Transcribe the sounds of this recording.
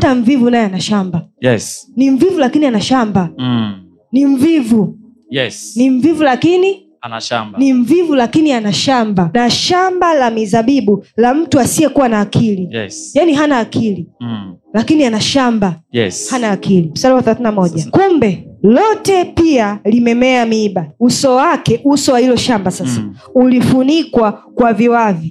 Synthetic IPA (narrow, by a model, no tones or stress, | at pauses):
ataɱvivunajɛanaʃambajɛsniɱvivulakinianaʃamba | niɱvivu | jɛsniɱvivulakini | niɱvivulakinianaʃambanaʃambalamizaɓiɓulam̩tuasiɛkuwanaːkʰilijaniɦanaːkʰililakinianaʃambajhanaːkilim̩saliwaθɛlaθinamɔʄakumbɛlɔtɛpialimɛmɛamiːɓausɔwakɛʔusɔwahilɔʃambasasa | ulifunikwakwaviwavi